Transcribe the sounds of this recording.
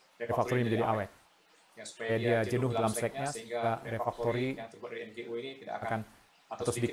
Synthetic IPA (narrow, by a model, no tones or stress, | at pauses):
refak̚t̪ɔɾiməɲd͡ʒadiʔawɛt̪̚ | kjajadiad͡ʒənʊhdalamsɛk̚ɲasaɾefak̚t̪oɾi | akan | tat̪awsədik